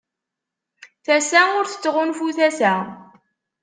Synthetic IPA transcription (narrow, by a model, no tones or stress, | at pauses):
θæsæʊɾθə̥t͡sːʁʊnfuθæsæ